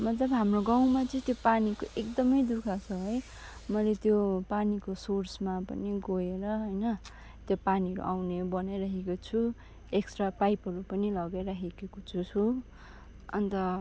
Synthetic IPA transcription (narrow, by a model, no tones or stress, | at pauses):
mʌt̪lʌbɦamroɡaw̃mat͡sʌĩt̪jopanikoʔekd̪ʌmʌjd̪ukʰat͡sʰʌɦʌj | mʌjlet̪jopanikosorsmapʌ̰niɡoeɾʌɦʌjnʌ | t̪jopaniɦʌɾṵʔawnebʌnajɾʌɦekot͡sʰu | eksʈrapajpɦʌɾupʌnilʌɡeɾʌɦekekot͡sʰut͡sʰu | ʌ̰nt̪ʌ